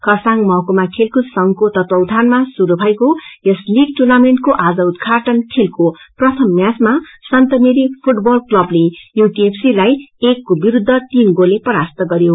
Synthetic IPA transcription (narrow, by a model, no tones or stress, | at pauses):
kʌsaŋmʌɦkomakʰelkusʌŋkot̪ʌt̪wʌwd̪ʱanmasuɾubʱʌjkojesliɡ̚ʈunameɳʈkoʔad͡zʌud̪kʰaʈʌnkʰelkoprʌt̪ʰʌmːjasmasʌnt̪ʌneɾipʰuʈbʌlklʌblejokiepʰsilajekːobiɾud̪ʱːʌt̪inɡolepʌɾast̪ʌɡʌɾjo